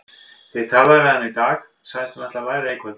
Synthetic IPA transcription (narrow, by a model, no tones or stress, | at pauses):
vɪðt̪ʰaːlavɛðanːit̪aːx | sajðɪst̪maht̪lavaːjɾekvɛt̪